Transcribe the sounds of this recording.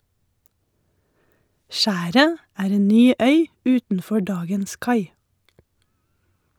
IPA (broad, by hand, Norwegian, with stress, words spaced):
ˈʃæːɾə ˈæːɾ ˈeːn ˈnyː ˈœʏ ˈʉːtn̩ˌfɔ ˈɖɑːɡəns ˈkɑɪ